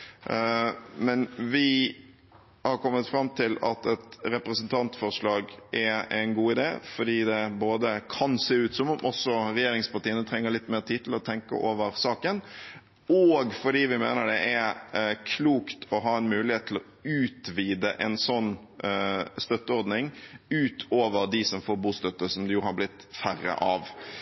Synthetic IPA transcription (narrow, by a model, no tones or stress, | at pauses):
mɛnʋɪ | hɑɾkʰɔmːət̪fɾɑmt̪ʰɪlɑ̰t̪ɛt̪ɾɛpɾəsənt̪ʰɑnt̪fɔʁʂɭɑːɡʔɛæɪnɡuːɪd̪ḛːfɔɖiːd̪ɛboːd̪əkʰɑnseːʉːt̪sɔmɔmʔɔsɔɾɛjeːɾɪŋspɑʈiːənət̪ʰɾɛŋːəɾɭɪt̪ːmeːʁt̪ʰiːd̪t̪ʰɪlɔt̪ʰɛŋkə̰ʔoːʋəɾsɑːkən | ɔɡfɔɖiːʋɪmḛːnəɖɛʔæɾkʰluːkt̪ʰɔɦɑːɛnmʉːlɪheːt̪ʰːlɔ | ʉːt̪ʋiːd̪əʔɛnsɔnː | st̪œt̪ːəɔɾd̪nɪŋʉːt̪ʰoːʋəɾd̪ɪsɔmfoːɾbuːst̪œt̪ːəsɔmd̪ɛjuːhɑɾblɪt̪ːfærːə̰ʔɑʋ